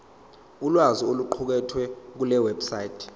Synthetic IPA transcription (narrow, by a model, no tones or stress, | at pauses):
ulwazioluǃʰuk̬ɛtʰwɛk̬ulɛwɛbsaitʰ